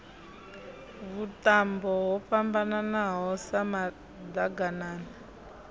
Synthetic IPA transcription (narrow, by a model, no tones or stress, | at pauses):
βutambɔɦɔpambananaɦɔsama | daɡanaːna